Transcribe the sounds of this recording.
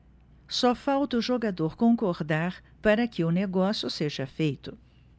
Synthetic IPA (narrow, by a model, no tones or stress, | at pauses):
sɔfawt̪ɐʊʒoɡad̪oɾkõkoɾd̪aɾ | paɾɐkɪʊneɡɔsjʊseʒɐfejt̪ʊ